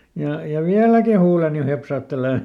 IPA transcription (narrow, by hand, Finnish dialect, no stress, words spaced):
jɑ jɑ ʋiælæki huːleni hepsɑːtːeleˑ